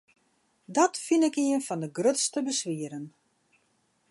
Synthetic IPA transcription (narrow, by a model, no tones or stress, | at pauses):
dɔtfinɪkiənfɔndəɡrøtstəbəsʋiəɾən